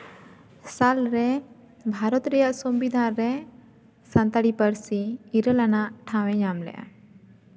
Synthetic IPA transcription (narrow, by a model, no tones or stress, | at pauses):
salɾɛ | bʱaɾɔt̪ɾɛjaʔsɔmbid̪ʱaɾɛ | sãnt̪aɽipəɾsiːɾəlanaʔʈʰãwɛɲamlɛ̰ʔa̰